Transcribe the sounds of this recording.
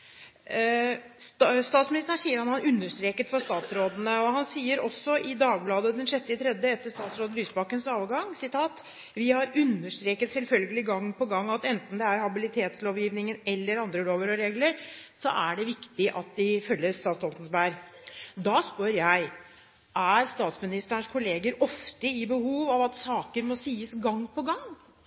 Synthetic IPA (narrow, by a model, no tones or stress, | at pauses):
st̪ɑːt̪smɪnɪst̪əæʂiːəɾhɑnhɑnʉnːəʂt̪ɾeːkət̪fɔʂst̪ɑːt̪sɾoːd̪ənəɔhɑnsiːəɾɔsːɔʔɪd̪ɑːɡ̚blɑːd̪əd̪ɛnʂɛt̪ːɪət̪ʰɾɛd̪jəɛt̪ːəʂst̪ɑːt̪sɾoːd̪əlyːsbɑkːənsɑːʋɡɑŋsɪt̪ʰɑːt̪ | ʋɪhɑɾʉnːəʂt̪ɾeːkət̪sɛlfœlɡəlɪɡɑŋːpʰɔɡɑŋːɑt̪ɛnt̪n̩d̪ɛæɾhɑbɪlɪt̪ʰeːt̪sloːʋjiːʋnɪŋənɛlːəɾɑnd̪ɾəloːʋəɾɔɾeːɡləɾsɔʔæɖɛʋɪkt̪ɪʔɑt̪̚d̪ɪfœlːəst̪ɑːt̪st̪ɔlt̪n̩sbæɾd̪ɑːspøɾjæɪ | ʔæɾst̪ɑːt̪smɪnɪst̪əəɳʂkʰʊleːɡəɾɔft̪əɪbəhuːʋɑʋɑt̪sɑːkəɾmɔsiːəsɡɑŋːpʰɔɡɑŋː